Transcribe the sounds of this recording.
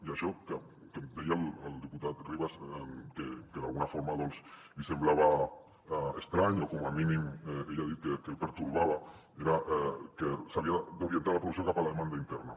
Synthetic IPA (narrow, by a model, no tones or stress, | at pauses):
iaʃɔke | ked̪ejalald̪iput̪at̪riβasekekeðalɣunafoɾmaðɔnslisemblaβ̞a | est̪ɾaɲokomaminimeʎaðit̪̚kekelpeɾt̪uɾβaβa | eɾaʔkesaβiad̪oɾient̪aɾlapɾos̬jokapalaðemãnd̪aint̪ɛrna